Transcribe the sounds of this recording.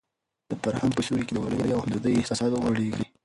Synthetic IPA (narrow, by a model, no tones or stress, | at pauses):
d̪̥əfaɾhaŋpəʃuɾeked̪əwa̰ləjəjawhamd̪əd̪əjɪht̪ɑsɑd̪waɽeɡɾi